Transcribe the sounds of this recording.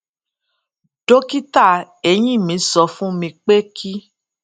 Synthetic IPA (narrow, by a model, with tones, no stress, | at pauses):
do˦ki˦ta˦˨ | e˧˨j̃ĩ˦˨mĩ˨˦sɔ˧fũ˦mĩ˧k͡pe˦kʰi˦